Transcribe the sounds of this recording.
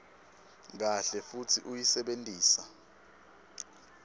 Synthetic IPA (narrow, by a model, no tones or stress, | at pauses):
k̬aɬɛfutʰiʔujisɛɓentʼiːsa